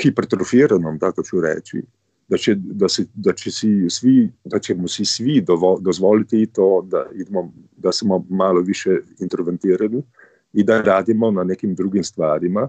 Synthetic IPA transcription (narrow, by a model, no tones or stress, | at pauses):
xipɛɾt̪ɾɔfiːɾanɔmt̪akɔt͡ʃuɾɛ̰ːt͡ʃḭ | d̪at͡ʃɛd̪asɛd̪at͡ʃɛsisʋid̪at͡ʃɛmɔsisʋid̪ɔʋɔd̪ɔzʋɔːlit̪ɛit̪oːd̪a̰id̪mɔ | d̪asmɔmaːlɔʋiʃjɛint̪ɾɔʋɛnt̪iːɾani | ind̪aɾaːd̪imɔnaneːkimd̪ɾuɡimst̪ʋaːɾima